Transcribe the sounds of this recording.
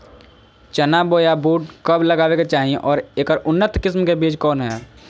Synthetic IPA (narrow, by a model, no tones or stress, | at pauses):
t͡ʃənaboːjabuːʈkəbləɡaːʋeket͡ʃaːɦiẽʔɔːɾeːkəɾʊnːət̪kɪsmkebiːt͡ʃkɔːnɦɛː